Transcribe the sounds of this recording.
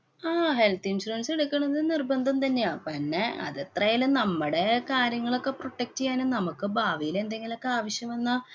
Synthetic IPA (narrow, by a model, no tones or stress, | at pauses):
aːɦe̞lt̪insɾuɐnse̞ɽukʲːɐɳɐðɨnirbɐnd̪ʱɐmt̪ɐnːejaːpinːeɐ̰ðet̪rɐjalunɐmːɨɽe̞kaːɾjɐŋːɐɭo̞kːe̞pro̞ʈːek̚ʈːt͡ɕejaːnunɐmukːɨbʱaːʋijile̞nd̪e̞ŋɡilo̞kːeaːʋɐɕjɐmʋenːɨ